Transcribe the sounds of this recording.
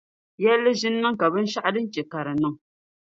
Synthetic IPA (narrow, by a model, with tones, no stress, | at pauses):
jɛ˦lːɨ˦ʒi˦nːa˦ŋ̩˦ka˨bɨ˦n̩˦ʃa˦ʔa˦dɨ˦n̩˦t͡ʃɛ˨ka˨ɾɨ˨nɨ˦˨ŋ